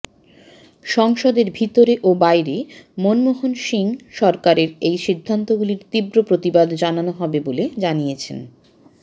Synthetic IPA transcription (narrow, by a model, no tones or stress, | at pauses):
ʃɔŋʃod̪eɾbʱit̪oɾeʔobajɾemonmoɦonʃiŋʃɔɾkaɾeɾejʃid̪ʱːant̪oɡuliɾt̪ibɾopɾot̪ibad̪d͡ʑananoɦɔbeboled͡ʑanijet͡ɕʰḛn